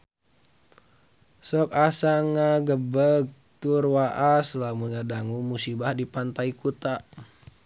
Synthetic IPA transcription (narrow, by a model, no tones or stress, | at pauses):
sɔk̚asaŋaɡəbəɡ̚ | t̪urwaʔaslamunadaŋumusibahdipant̪aikut̪a